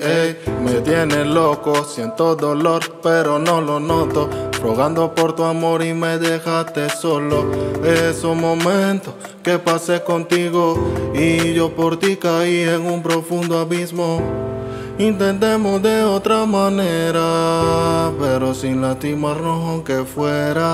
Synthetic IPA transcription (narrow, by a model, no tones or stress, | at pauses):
ejmet̪jenelokosjent̪od̪oloɾpeɾonolonot̪ofɾoɣand̪o̞poɾt̪uamoɾimeðexat̪esoloesomõmẽnt̪o | kepase̞kont̪iɣoiʝopoɾt̪ikaieŋumpɾo̞fund̪oaβismo | int̪e̞nt̪e̞mosd̪e̞ot̪ɾamaneɾa | peɾosinlat̪imarooŋkefweɾa